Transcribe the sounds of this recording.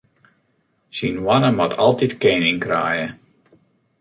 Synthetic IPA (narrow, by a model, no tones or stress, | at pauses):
sinʋanəmɔtʰɑlˠtitkeːnɪŋkra̰ːjə